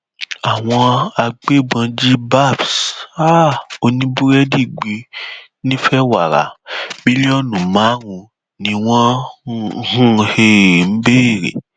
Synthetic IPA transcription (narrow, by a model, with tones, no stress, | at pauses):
a˨w̃ɔ̃˧a˧ɡ͡be˦˨ɡ͡bã˧d͡ʒi˦ba˦˨bsa˦o˧nĩ˦bu˦ɾɛ˦di˦˨ɡ͡bi˧ | nĩ˦fɛ˦wa˨ɾa̰˨bi˦li˦ɔ˦nũ˨mã˨˦ɾũ˧ | nĩ˧w̃ɔ̃˦ | hũ˦he˧˨m̩˦be˦e˨ɾḛ˨